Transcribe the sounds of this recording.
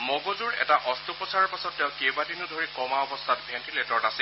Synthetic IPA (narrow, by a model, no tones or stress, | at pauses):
moɡozuɹɛ̰taʔɔstupɔsʰaɹɔɹpasɔtːɛʊ̃kebadinʊdʱoɹikɔmaɔbɔstʰatbʱɛntʰiletɔɹnasi